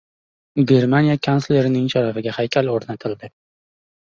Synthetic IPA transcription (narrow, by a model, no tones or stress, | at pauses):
ɡʲe̞ɾmanijakʰansle̞ɾɪnɪŋʃaɾafɪɡʲahajkʲʰaloɾnat̪ʰɪld̪ɪ